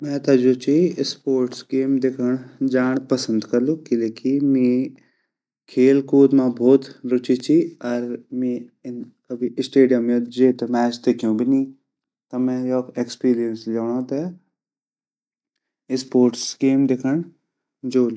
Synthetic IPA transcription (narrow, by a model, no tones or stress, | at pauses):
mɛ̃ːt̪ɐd͡ʒoːt͡ʃʰispoːɾʈsɡeːmd̪ekʰəɳ̃d͡ʒaːɳ̃pɐsə̃nd̪kɐɾlukɪleːkimĩː | kʰeːlkuːd̪mãbʱoːt̪ɾʊt͡ʃit͡ʃʰiɐɾmiɪn | kɐbʱiʔɪsʈeːɖijəmed͡ʒeːt̪emɛːsd̪ekʰijũbɪnĩː | t̪ɐmɛ̃ːjokeːkspiːɾijənslaːɽ̃ãt̪ɐ | ɪspoːɾʈsɡeːmd̪ekʰəɳ | d͡ʒoːl